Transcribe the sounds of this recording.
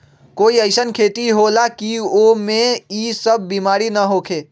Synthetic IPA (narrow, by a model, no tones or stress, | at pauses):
koiəɪsənkʰet̪iɦolakiomeisəb̚ʱːimaɾinəɦokʰe